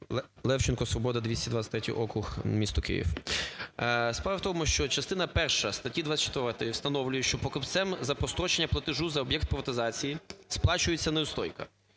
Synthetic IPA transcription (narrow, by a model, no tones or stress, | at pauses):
lˠɛwt͡ʃɪnkɔsʋɔbɔd̪ɐd̪ʋʲisʲtʲiɐd̪ʋat̪ʲsʲɐ̥t̪ʲɾɛtʲḭʔɔkɾʊxmʲist̪ʊkɪ̰jḭw | spɾaʋɐwt̪ɔmʊʃt͡ʃɔt͡ʃɐst̪ɪnɐpɛrʃɐst̪ɐtʲid̪ʋat͡sʲsʲɐt͡ʃt̪ɪʋɛt̪ɪjwst̪ɐnɔwlʲʊjɛʃt͡ʃɔpɔkɪpt̪sɛmzɐpɔst̪ɾɔt͡ʃenʲːɐplˠɐt̪ɪʒuzɐɔbjɛk̚t̪̚pɾɪʋɐt̪ɪzɑt͡sʲijisplˠɑt͡ʃʊjet͡sʲːɐneʊst̪ɔjkɐ̰